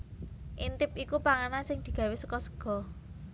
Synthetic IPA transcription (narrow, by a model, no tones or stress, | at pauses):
ʔint̪ɪpikupaŋanasɪŋd̪̥i̤ɡ̥ä̤wɪsəkɔsə̥ɡ̥ɔ̤